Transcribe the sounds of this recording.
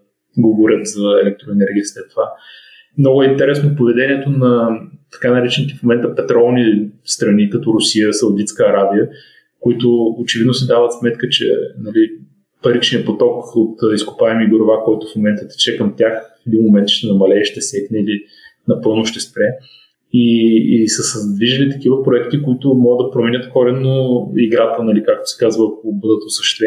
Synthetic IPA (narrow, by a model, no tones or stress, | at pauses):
ɡoboɾʲət̪zɐɛlɛk̚t̪ɾoɛnɛɾɡʲiəslɛt̪ːova | mnɔɡʊɛint̪ɛɾɛsnopovɛd̪ɛniɛt̪onɐt̪ɐ̥kanɐɾɛt͡ʃɛnik̪ifmomɛnt̪əpɛt̪ɾɔlˠnist̪ɾɐnikɐt̪ɔɾʊsiəsɐud̪it̪skəːɾabiə | koit̪ʊːt͡ʃɛvid̪nosɛd̪avət̪smɛt̪kət͡ʃɛ̰nɐli | pɐɾit͡ʃniəpot̪ɔkot̪ːiskʊ̥paɛmiɡoɾovakɔjt̪ʊ̥fmomɛnt̪ət̪ɛ̥t͡ʃɛkəmt̪ʲjaxfɛd̪inmomɛnt̪ʃt̪ɛnɐmɐlɛʃt̪ɛsɛknɛili | nɐpɤlˠnʊʃt̪ɛspɾɛ | iːsəsəzd̪viʒəlit̪ɐ̥k̟ivəpɾoɛkt̪ikoit̪ʊmɔɡəd̪ːɐpɾomɛnʲət̪kɔɾɛnːoiɡɾat̪ənɐlikak̚t̪o̥sɛ̥kazvəkobɤd̪ət̪osəʃtt̪vɛ